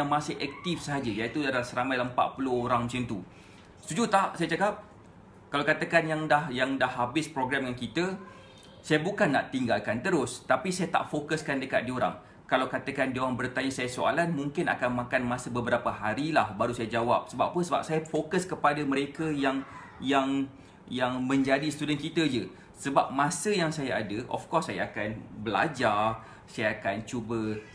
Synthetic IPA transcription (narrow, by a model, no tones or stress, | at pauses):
aŋmãsɪhɛk̚t̪ɪfsəɦad͡ʒəjait̪udadalasəɾamãjləmpa̰ʔ̪̚pulʊhoɾaŋmə̃sɪmt̪u | st̪ud͡ʒut̪aʔsajat͡ʃakap̚ | kalawkat̪əkanjaŋdahjaŋdahabɪspɾoɡɾɛmŋankit̪ə | sajabukanːa̰ʔt̪iŋɡalkant̪əɾʊst̪apisajat̪a̰ʔfokəskandəkat̪̚dioɾa̰ŋ | kalawkat̪əkandioɾaŋbərt̪aɲasajasoa̰lanmũŋkɪna̰kanmãkanmãsəbəbəɾapəɦaɾilahbaɾusajad͡ʒawa̰p̚səba̰ppːənsəba̰p̚sajafokəskəpadaməɾekəjaŋ | jaŋ | jaŋmə̃ɲd͡ʒadist̪udɛnkit̪əd͡ʒə | səbap̚mãsəjaŋsajaadəʔɔ̰fkɔsːaja̰akanbəla̰d͡ʒar | sajaakant͡ʃubə